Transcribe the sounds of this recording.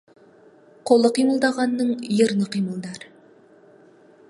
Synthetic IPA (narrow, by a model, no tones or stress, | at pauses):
qʰolˠəqiməlˠd̪ɑʁɑnːəɴjəɾnəqijməlˠd̪ɑɾ